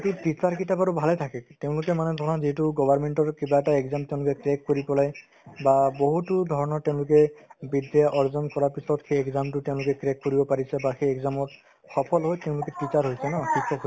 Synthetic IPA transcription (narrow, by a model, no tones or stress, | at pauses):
tipisaɹkitabaɹubʱalɛtʰakɛteʊ̃lʊkɛmanɛdʱɔɹɔnɔziɦɛtʊɡɔbʱaɹmentɔɹkibaɛtaɛkzamteʊ̃lʊkɛkɹɛkːoɹipɔlaj | baboɦutʊdʱɔɹɔnɔɹtɛʊ̃lʊk̬ɛbidɛjaʔɔɹzɔnkɔɹaɹpisɔtxejɛkzamtʊteʊ̃lʊkɛkɹɛkkːoɹibɔpaɹisɛbaxejɛɡzamɔt | xɔpʰɔlɦojteʊ̃lʊkɛtisaɹɦojsɛnɔxikʰːɔkɦo